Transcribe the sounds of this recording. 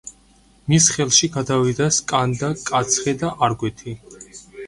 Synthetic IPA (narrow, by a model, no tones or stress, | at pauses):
misχɛlˠʃiɡad̪avid̪askʼand̪akʼat̪sʰχɛd̪aʔaɾɡwɛt̪ʰi